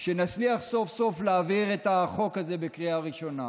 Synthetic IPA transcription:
ʃe̞nat͡sliaχso̞fso̞fleːviʁe̞taχo̞kaze̞bekʁiaʁiʃo̞na̰

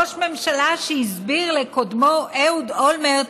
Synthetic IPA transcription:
oʃme̞mʃalaʃehizbiʁlekod̪moʔewd̪olmeʁ

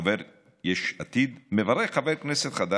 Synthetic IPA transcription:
aveɾ | jeʃat̪id̪mevaɾeχχaveɾkneset̪χad̪a

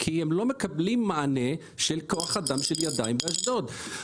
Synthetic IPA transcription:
kʰihemlo̞mekablimːaane | ʃelkoaχad̪amʃeljad̪aimbeaʃd̪od̪

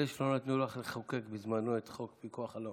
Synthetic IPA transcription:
eʃlonatt̪nolaχleχakekbizmanoet̪χokpikuaχalo

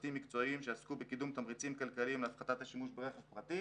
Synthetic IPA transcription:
t̪imːikt͡so̞imʃeaskubekid̪umt̪amʁit͡simkalkalimlafχat̪at̪haʃimuʃbeʁeχevpʁat̪i

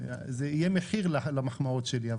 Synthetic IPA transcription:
zeijemeħiʁlalamaχmaot̪ʃeliav

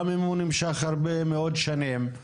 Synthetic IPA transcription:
mimunimʃaχhaʁbemeod̪ʃanim

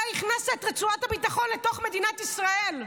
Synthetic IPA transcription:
iχnaset̪ʁet͡suat̪abit̪aχonlet̪o̞χmed̪inat̪isʁael

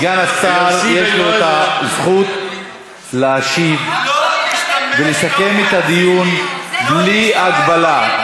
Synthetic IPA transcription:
ɡanasaʁje̞ʃlo̞et̪azχut̪ | leaʃiv | veleʃake̞met̪ad̪ijunbliaɡbala

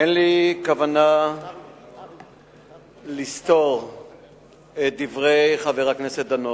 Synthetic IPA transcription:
enlikavana | list̪oʁ | et̚d̪ivʁejχaveʁakneset̪̚d̪ano

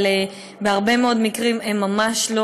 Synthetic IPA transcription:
le | beaʁbe̞meo̞d̪mikʁimemːamaʃlo

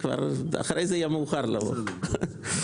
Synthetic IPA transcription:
kva̰ɾa̰χɾejzeijamuːχaɾlavo̰

